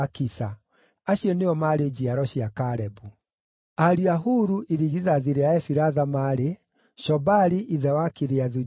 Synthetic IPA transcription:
kisa | aɕjɔneɔmaɾed͡ʑiaɾɔɕiakaɾɛbu | aɾiaɦuːɾuʔiɾiɣiðaðiɾeaɛfiɾaðamaɾe | ʃɔbaɾiʔiðɛwakiɾeaðu

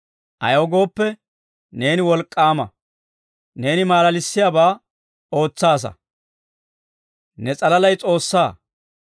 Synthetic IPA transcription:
ʔɐ̰joːɡo̞ːpːɛ | ne̞ːnɪwɔlkʼːaːmɐ̰ | ne̞ːnɪmaːlɐlɪsːɪjaːbaː | o̞ːt͡sːaːs̬ɐ̰ | nɛt͡sʼɐlɐlɐjt͡sʼo̞ːsːaː

